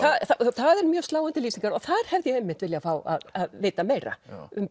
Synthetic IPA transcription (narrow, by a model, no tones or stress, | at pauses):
θaðθaθaðɛɾmjœːst̪laːwant̪ɪliːsiŋkaɾɔθaɾ̥hɛvðɪjɛɛmːɪn̥t̪vɪljafaːwa̰ðaðveːjt̪ameːjɾa̰ʏm